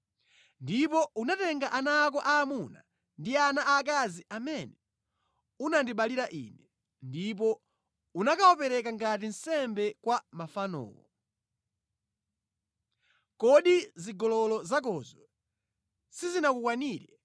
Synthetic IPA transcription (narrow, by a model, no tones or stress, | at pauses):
ndipɔunatɛŋɡaʔanaːk̬ɔʔaːmuna̰ | ndianaʔak̬aziʔamɛnɛ | unandiɓaliɾaʔḭnɛ | ndip̬ɔ | unakaɔpɛɾɛkaŋɡat̬in̩sɛmbɛkwamafanɔ̰ːwɔ̰ | kɔɗiziɡɔlɔlɔzak̬ɔzɔ | sizinakukwaniːɾɛ